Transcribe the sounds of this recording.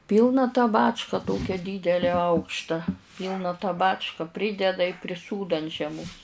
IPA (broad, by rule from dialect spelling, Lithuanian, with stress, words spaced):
ˈpʲiːlˠnɐ tɑː ˈbɑːt͡ʃkɑː ˈtoːkʲɛ ˈdʲiːdʲɛlʲæː ˈɐʊkʃtɐ ˈpʲiːlˠnɐ tɑː ˈbɑːt͡ʃkɐ ˈpʲrʲiːdʲɛdɐ ɪ pʲrʲɪˈsuːdoː ɐnt ʒʲiɛˈmoːs